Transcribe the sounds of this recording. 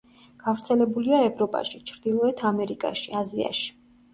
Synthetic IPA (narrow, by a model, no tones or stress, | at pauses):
ɡ̥avɾt̪sʰɛlɛbuliaɛvɾɔpʼa̰ʃit͡ʃʰɾd̪ilˠɔɛt̪ʰamɛɾikʼa̰ʃiazia̰ʃi̥